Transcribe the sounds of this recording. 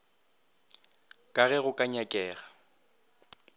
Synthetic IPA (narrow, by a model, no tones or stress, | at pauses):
kʼaɣɛɣʊkʼaɲakʼɛːɣa